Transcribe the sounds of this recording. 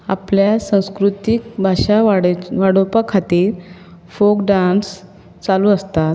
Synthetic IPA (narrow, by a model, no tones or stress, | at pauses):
a̰pljasə̃w̃skɾut̪ikbʱaɕaɽʋaɽopakʰat̪iːɾ | fokɖans | t͡saluəst̪at̪